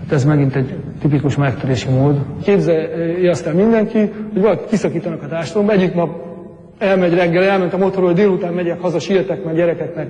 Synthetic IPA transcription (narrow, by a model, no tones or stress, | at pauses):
at̪ɛzmɛɡint̪ɛɟ | t̪ipikuʃmɛkt̪øɾeːʃimoːd̪keːbzɛjɛɒst̪ɛːlmind̪ɛŋkihoɟʋɒlɒkit̪kisɒkiːt̪ɒnɒkɒt̪aːrʃt̪lombɛɟːiknɒb | ɛlmɛɟrɛɡːɛlɛlmɛnt̪ɒmo̞t̪oɾhod̪eːlut̪aːmːɛɟɛkhɒzɒʃiːlt̪ɛkmɛɟɛɾɛkɛknɛk